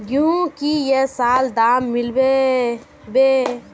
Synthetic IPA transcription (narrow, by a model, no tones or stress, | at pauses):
ɡjũkijesaːld̪aːmːɪlbe | be